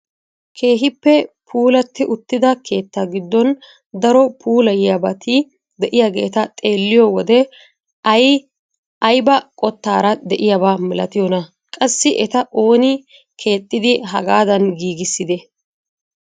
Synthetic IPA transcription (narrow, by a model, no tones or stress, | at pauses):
kʰe̞ːɦɪpːɛpʰuːlɐt̪ːɪʔʊt̪ːɪd̪ɐkʰe̞ːt̪ːaɡɪd̪ːɔn | d̪ɐɾɔpʰuːlɐjɪjabɐt̪ʰi | d̪ɛʔɪjaɡe̞̰ːt̪ɐt̪ʼe̞ːlːɪjɔwɔd̪ɛ | ɐj | ɐjbɐkʼɔt̪ːaːɾɐd̪ɛʔɪjɐbaːmɪlɐt̪ɪjɔnɐ | kʼɐsːɪʔɛt̪ɐʔo̞ːnɪ | kʰe̞ːt̪ʼːɪd̪ɪɦɐ̰ɡaːd̪ɐnɡiːɡɪsːɪd̪ɛ